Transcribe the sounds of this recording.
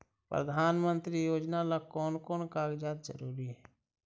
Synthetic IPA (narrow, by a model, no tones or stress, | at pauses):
pɾə̰d̪ʱaːnmə̃nt̪ɾijoːd͡ʒnalakɔːnkɔːnkaːɡd͡ʒaːd̪d͡ʒə̰ɾuːɾiɦɛː